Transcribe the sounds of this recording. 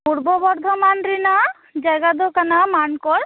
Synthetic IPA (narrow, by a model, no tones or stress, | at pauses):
puɾbɔbɔɾd̪ʱɔmanɾina | d͡ʒajɡad̪okanamankɔɾ